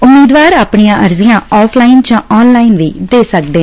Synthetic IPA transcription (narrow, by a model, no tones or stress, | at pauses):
ʊmːiːd̪ʋaːɾaːpɳijãːʔəɾzɪjãːɔːpʰlaːɪnd͡ʒãːɔːnlaːɪnʋiːd̪eːsək̚d̪eː